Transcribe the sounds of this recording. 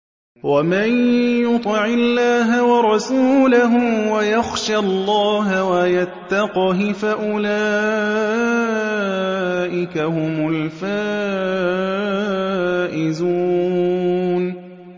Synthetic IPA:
wamanjʊt̪ˤɨʕɪlːaːɦawɑɾˤɑsuːlaɦʊwajaxʃalˤːɑːɦawajat̪ːɑqɑɦɪfaʔʊlaː | ʔɪkahʊmʊlfaː | ʔɪzuː | n

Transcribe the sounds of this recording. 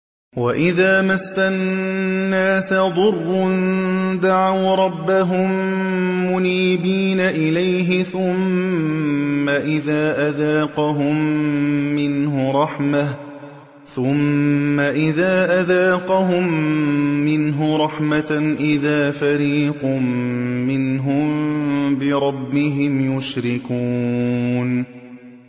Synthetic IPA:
waʔɪðaːmasːanːaːsad̪ˤʊrˤːʊnd̪aʕawɾˤɑbːaɦʊmː | ʊniːbiːnaʔɪlajɦɪθʊm | aʔɪðaːʔaðaːqɑɦʊmː | ɪnɦʊɾˤɑħmah | θʊmːaʔɪðaːʔaðaːqɑɦʊmː | ɪnɦʊɾˤɑħmaʔɪðaːfaɾiːqʊmːɪnɦʊmbɪɾˤɑbːɪɦɪmjʊʃɾɪkuːn

